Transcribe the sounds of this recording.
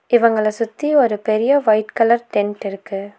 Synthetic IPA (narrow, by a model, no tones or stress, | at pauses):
ɪʋɐŋɡɐɭɐsʊt̪ːiɔɾɯpɛɾɪjɐʋɐɪʈkɐlɐɾʈɛnʈɪɾɯkːɯ